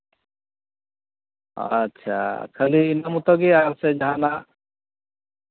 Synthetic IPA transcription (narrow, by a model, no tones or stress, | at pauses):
ʌ̰tːʃʰa̰kʰəliːnamut̪ɔɡiaɾsed͡ʒɦana